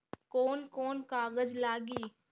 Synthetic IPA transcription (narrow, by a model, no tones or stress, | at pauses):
koːnkoːnkaːɡəd͡ʒlaːɡiː